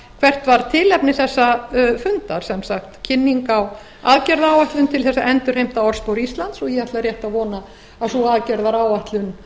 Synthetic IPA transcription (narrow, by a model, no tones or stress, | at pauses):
kʰvɛr̥t̪vaɾ̥t̪ʰɪlɛpnɪθɛsːafʏnt̪aɾ̥sɛmsaxt̪cʰɪnːiŋkaw | aðcɛɾðaːwaht̪lʏnt̪ʰɪlθɛsːaʔɛnt̪ʏɾhejm̥t̪aɔɾ̥spawɾist̪lant̪sɔjɛat̪laɾjɛht̪avɔːna | asuaðcɛɾðaɾaːwaht̪lʏn